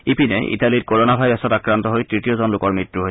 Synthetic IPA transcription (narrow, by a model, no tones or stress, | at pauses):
ipinɛ̰ʔḭtalitkoɹonabʱajɹasɔtakɹant̪ɔɦojtɹitiozɔnlʊkɔɹmɹitːɹuɦoj